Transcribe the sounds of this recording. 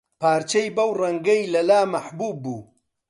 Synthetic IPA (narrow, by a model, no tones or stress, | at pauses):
paːɾt͡ʃɐjbɐwrɐŋɡɐjlɐlaːmɐħbuːbːuː